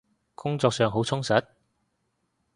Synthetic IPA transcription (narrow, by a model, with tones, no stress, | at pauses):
kʊ˥ŋt͡sɔː˧k̚sœː˨˧ŋɦo˨˥wt͡sʰʊ˥ŋsɐ˨˥t̚